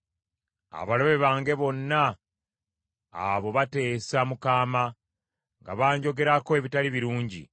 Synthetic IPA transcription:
a̰βalo̞βe̞βaːŋɡe̞βo̞nːa | βo̞βate̞ːsamukaːma | ŋɡa̰βaːɲɟo̞ɡe̞ɾakoe̞βitaliβiɾuːɲɟḭ

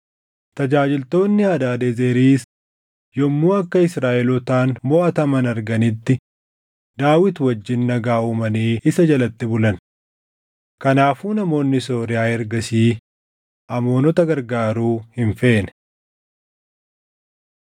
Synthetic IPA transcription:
t̪ɐd͡ʒaːd͡ʒɪlt̪o̞ːnːɪɐd̪aːd̪ezeːɾiːs | jɔmːuːɐkːɐɪsɾaːʔɛlɔt̪aːnmɔʔɐt̪ɐmɐnɐɾɡɐnɪt̪ːɪ | d̪aːwɪt̪wɐd͡ʒːɪnːɐɡaːuːmɐneːɪsɐd͡ʒɐlɐt̪ːɪbʊlɐn | kɐnaːfuːnɐmo̞ːnːɪso̞ːɾɪjaːɛɾɡɐsiː | ʔɐmo̞ːnɔt̪ɐɡɐɾɡaːɾuːhɪɱfe̞ːnɛ

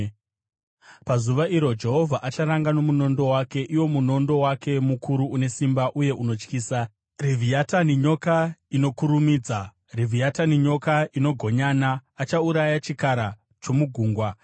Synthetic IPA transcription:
pazuʋaʔiɾo̞d͡ʒe̞ɦo̞vʱaʔat͡ʃaɾaŋɡano̞muno̞ndo̞wake̞ʔiwo̞muno̞ndo̞wakʰe̞mukʰuɾuune̞simbaʔuje̞ʔuno̞t͡ʃkiːsa | rivʱiataniɲo̞kaino̞kuɾumiːd͡za | rivʱiataniɲo̞kaʔino̞ɡʱo̞ɲanaːt͡ʃauɾajat͡ʃikaɾa | t͡ʃo̞muɡʱuːŋɡwa

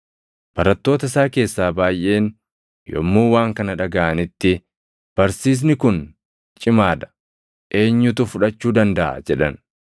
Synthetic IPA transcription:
b̥ɐɾɐt̪ːo̞ːt̪ɐɪsaːke̞ːsːaːbaːjʔe̞ːn | jɔ̰mːuːwaːŋkɐnɐᶑɐɡɐʔɐnɪt̪ːɪ | b̥ɐɾsiːs̬nɪkʊn | t͡ʃʼɪmaːd̪ɐ̥ | ʔe̞ːɲːʊt̪ʊfʊᶑɐt͡ʃːuːd̪ɐnd̪ɐʔɐ̰d͡ʒɛᶑɐn

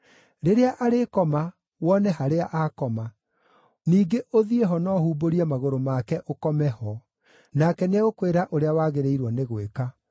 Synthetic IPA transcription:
ɾeɾeaʔaɾekɔma | wɔnɛɦaɾeaʔakɔma | niːɡeʔoðieɦɔnɔhuːboɾiamaɣoɾomakɛʔokɔmɛhɔ | nakɛneokweɾaʔoɾeawaːɣeɾeiɾwɔneɣweka

